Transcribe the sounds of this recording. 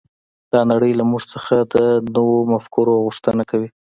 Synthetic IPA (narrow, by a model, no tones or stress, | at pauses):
d̪̥ɑnaɽəjlamuʐt͡səxad̪ənowomafkuɾoɣʊʂt̪ənakawi